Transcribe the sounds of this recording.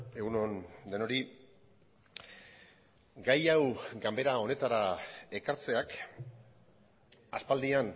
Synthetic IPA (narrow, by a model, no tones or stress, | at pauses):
e̞ɣunond̪e̞no̞ɾi | ɡajawɡambe̞ɾao̞ne̞t̪aɾae̞kaɾt͡se̞ak | a̰spald̪ian